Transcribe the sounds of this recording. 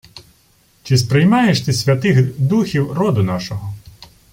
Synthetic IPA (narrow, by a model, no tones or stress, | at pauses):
t͡ʃɪspɾɪjmɑjeʃt̪ɪsʲʋʲɐt̪ɪxd̪uxʲiwrɔd̪ʊnɑʃɔɦɔ